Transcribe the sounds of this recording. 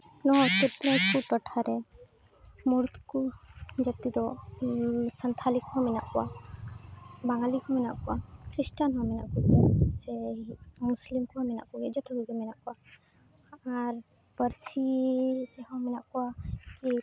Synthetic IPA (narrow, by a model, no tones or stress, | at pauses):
nɔt̪ut̪ɾɔ̃jkut̪ɔʈʰaɾɛ | muɾt̪kud͡ʒət̪id̪ɔ | sənt̪ʰalikuɦamina̰ʔkɔa | baŋɡalikɔmina̰ʔkuakɾisʈanɦɔ̃mina̰ʔkuɡɛsɛmuslimkuɦamina̰ʔkuɡɛd͡ʒɔt̪ʰɔɡiɡɛmɛnaʔkua | aɾ | bəɾsid͡ʒɛɦɔ̃mɛnaʔkɔaki